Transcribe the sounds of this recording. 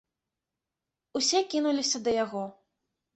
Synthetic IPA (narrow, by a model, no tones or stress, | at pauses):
usʲɛkʲinulʲisʲɐd̪ɐjaɣɔ